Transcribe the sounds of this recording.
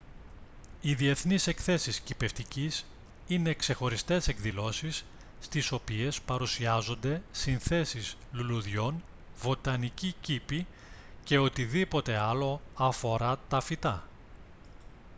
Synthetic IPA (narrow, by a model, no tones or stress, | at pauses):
iðie̞θnise̞kθe̞siscipe̞ft̪icis | ine̞kse̞xo̞ɾist̪e̞se̞ɡðilo̞sisː | t̪iso̞pie̞spɐɾusiɐzo̞nd̪e̞sinθe̞sizluluðʝo̞n | vo̞t̪ɐnicicipi | ce̞o̞t̪iðipo̞t̪e̞ɐlo̞ɐfo̞ɾɐt̪ɐfit̪ɐ